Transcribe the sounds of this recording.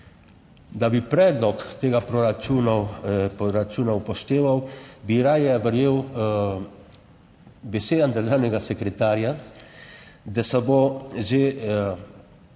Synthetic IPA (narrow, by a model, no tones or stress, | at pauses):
d̪abipɾɛd̪lɔkt̪eːɡapɾɔɾat͡ʃuna | ɾat͡ʃunawpɔʃt̪eːʋawbiɾajɛbəɾjew | besed̪and̪əɾʒaːnɛɡasekɾɛt̪aːɾja | d̪ɛsaboʒe